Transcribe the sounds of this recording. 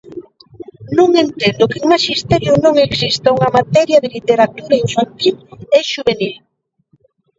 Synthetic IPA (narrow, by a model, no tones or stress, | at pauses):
nũŋent̪end̪okeŋmaʃist̪ɛɾjonõŋeksist̪auŋɐmat̪ɛɾjɐðelit̪eɾat̪uɾaeɱfant̪ileʃuβenil